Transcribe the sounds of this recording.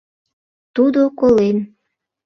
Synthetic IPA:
t̪ud̪okolen

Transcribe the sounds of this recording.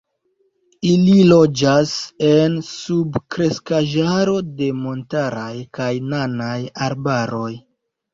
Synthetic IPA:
ililo̞d͡ʒase̞nsubkɾe̞skaʒaɾo̞de̞mo̞ntaɾajkajnanajaɾbaɾo̞j

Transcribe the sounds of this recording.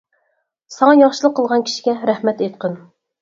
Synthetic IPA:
sɑŋɑjɑχʃɨlˠəqʰːəlˠʁɑnkʲʰi̥ʃi̥ɡʲɛɾæhmɛt̪et̪̚qʰən

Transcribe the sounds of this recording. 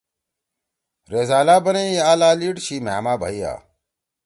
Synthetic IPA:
ɾezaːlaːbɐneaːlaːliːʈɕiːmɛ̰ːmaːbʱa̰iːja̰ː

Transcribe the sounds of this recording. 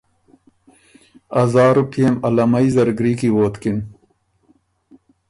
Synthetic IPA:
ɐzaːɾupiemɐlɐmɐjzɐɾɡɾiːkiwoːt̪kin

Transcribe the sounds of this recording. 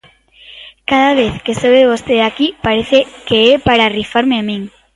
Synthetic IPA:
kaðaβeθkesoβeðeβost̪eðakipaɾeθekeɛpaɾarifaɾmeamĩŋ

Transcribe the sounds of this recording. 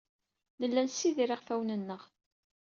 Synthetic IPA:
nəlːænsiðiɾiʁfæwnənːəʁ

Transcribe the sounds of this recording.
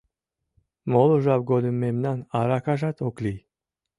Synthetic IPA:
moloʒɑbɡod̪əmːemnɑnɑɾɑkɑʒɑt̪okli

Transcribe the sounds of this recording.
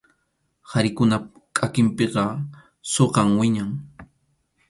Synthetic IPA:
haɾɪkʊnakʼakɪmpeqɑ | soqɑmwɪɲaŋ

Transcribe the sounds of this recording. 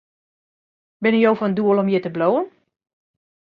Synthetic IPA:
bɪnijowfənduəlˠɔmjɪtəbloːən

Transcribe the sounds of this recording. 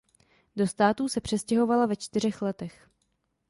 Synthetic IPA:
do̞st̪aːt̪uːsɛpr̥ɛscɛɦo̞valavɛt͡ʃt̪ɪr̝ɛxlɛt̪ɛx

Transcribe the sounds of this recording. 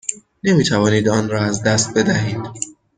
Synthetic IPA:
ne̞miːt̪ʰævɒːniːd̪ɒːnɾɒːæzd̪æst̪̚be̞d̪æɦiːd̪̥

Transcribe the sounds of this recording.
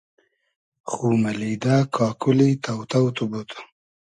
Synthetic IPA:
xuːmalid̪akʰɑːkulit̪awt̪awt̪ubut̪ʰḁ

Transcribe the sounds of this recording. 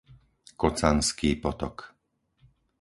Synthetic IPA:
kɔt͡sanskiːpɔt̪ɔk

